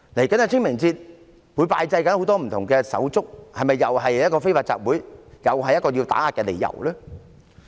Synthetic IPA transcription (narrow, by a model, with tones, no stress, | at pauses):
le˨˩jkɐ˨˥nhɐ˨˧t͡sʰɪ˥ŋmɪ˨˩ŋt͡siː˧t̚ | wu˨˥jpaː˧jt͡sɐ˧jkɐ˨˥nho˨˥wt̪ɔː˥m̩˨˩t̪ʰʊ˨˩ŋkɛː˧sɐ̰˨˥wt͡sʊ˥k̚hɐ˨jmɐ˨˩jːɐ˨˩wɦɐ˨jjɐ˥tkɔː˧fe˥jfaː˧t͡sa̰ː˧k̚wuː˨˥jjɐ˨˩wɦɐ˨jːɐ˥tkɔː˧jiː˧t̪a̰ː˨˥aː˨˩kːɛː˧le˨˩jːɐ̰˨˩wlɛː˥